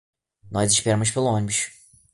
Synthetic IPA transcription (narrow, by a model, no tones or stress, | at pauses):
nɔziʃpeɾɐmuʃ̬pelˠuɔ̃nibuʃ